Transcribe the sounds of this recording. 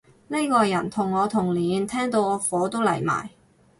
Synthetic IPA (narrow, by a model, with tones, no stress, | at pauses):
ne˥jkɔː˧jɐ˨˩nt̪ʰʊ˨˩ŋːɔː˨˧t̪ʰʊ˨˩ŋliː˨˥nt̪ʰɛː˥ŋt̪o˨˧wɔː˨˧fɔː˨˥t̪o˥wlɐ˨˩jma̰ː˨˩j